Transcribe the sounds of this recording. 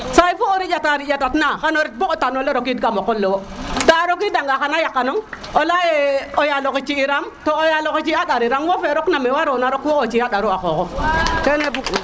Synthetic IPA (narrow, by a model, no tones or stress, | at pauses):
saifooɾiataɾijatatnakanoɾit̚boktanoleɾok̬idkamokːolːewotaɾokidaŋɡakanajakːanoŋ | olajeojalokit͡ʃːiiɾamtoojalokit͡ʃiaɗaɾiɾamwofeɾoknamewaɾonaɾokwoot͡ʃiaɗaɾuakokokenebuk